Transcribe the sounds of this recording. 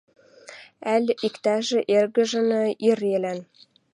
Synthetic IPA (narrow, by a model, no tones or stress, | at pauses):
ælʲikt̪æʒĕʔerɣɘ̆ʒɤ̆nɤ̆irelæn